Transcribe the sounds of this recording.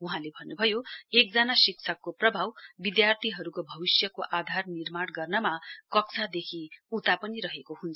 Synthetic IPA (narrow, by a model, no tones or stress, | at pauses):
uɦãlebʱʌnːubʱʌjoek̚d͡zanasik̚t͡sʰʌkːoprʌbʱawbid̪jart̪ʰiɦʌɾukobʱʌbisjʌkoʔad̪ʱarnirmaɽɡʌrnʌmakʌksʰad̪ekʰiut̪apʌniɾʌɦekoɦunt͡sʰʌ